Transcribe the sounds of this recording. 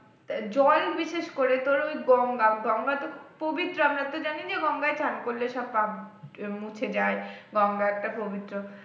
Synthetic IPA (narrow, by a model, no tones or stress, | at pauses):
d͡ʑɔlbiʃeʃkoɾet̪oɾojɡɔŋɡamɡɔŋɡat̪opobit̪ːɾoamɾat̪od͡ʑanid͡ʑeɡɔŋɡaet͡ɕʰankolːeʃɔb̚pabmut͡ɕʰed͡ʑaeɡɔŋɡaɛk̚ʈapobit̪ɾo